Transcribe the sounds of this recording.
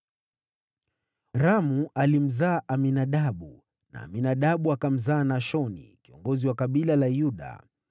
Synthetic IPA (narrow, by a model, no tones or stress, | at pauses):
ɾamuʔalim̩zaːʔaminaɗaɓu | na̰ːminaɗaɓuakam̩zaːnaʃɔnḭkiɔ̰ŋɡɔziwakaɓilalajuɗa̰